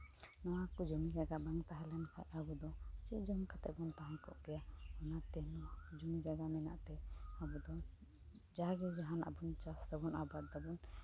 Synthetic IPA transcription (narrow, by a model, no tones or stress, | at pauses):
nɔwakud͡ʒumid͡ʒaɡabaŋt̪aɦɛlɛnkʰaʔ̪abud̪ɔt͡ʃiʔd͡ʒɔŋkʰat̪ɛʔbɔnt̪aɦãkɔʔɡɛjaɔnat̪ɛnɔd͡ʒumid͡ʒaɡamɛna̰ʔt̪ɛabud̪ɔ | d͡ʒaɡɛd͡ʒaɦana̰bunt͡ʃasd̪abunabat̪̚d̪abun